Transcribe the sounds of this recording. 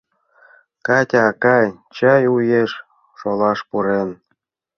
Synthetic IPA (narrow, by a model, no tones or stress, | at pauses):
kɑtʲɑkɑjt͡ɕɑjujeʃ | ʃolˠɑʃpuɾen